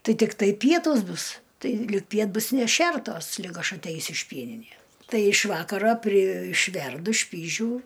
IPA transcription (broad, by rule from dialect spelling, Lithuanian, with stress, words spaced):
ˈtɐɪ tʲɪkˈtɐɪ ˈpʲiɛtuːs ˈbʊs ˈtɐɪ ˈlʲɪk ˈpʲiɛt ˈbʊs nʲɛˈʃʲɛrtoːs ˈlʲɪk ˈɐʃ ɐtʲˈɛɪsʲʊ ɪʃ ˈpʲiɛnʲɪnʲeːs ˈtɐɪ ɪʃ ˈʋɑːkɐroː pʲrʲɪ ɪʃʲˈʋʲɛrdʊ ˈʃʲpʲiːʒʲuː